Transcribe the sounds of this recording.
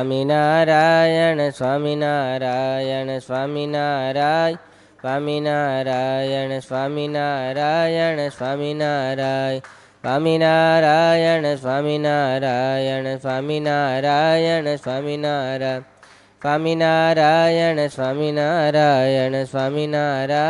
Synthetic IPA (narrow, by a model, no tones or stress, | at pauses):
aminaɾajənəsʋaminaɾajənesʋaminaɾaj | sʋaminaɾajənesʋaminaɾajənesʋaminaɾaj | aminaɾajənəsʋaminaɾajənəsaminaɾajənəsʋaminaɾa | saminaɾajənəsʋaminaɾajənəsʋaminaɾa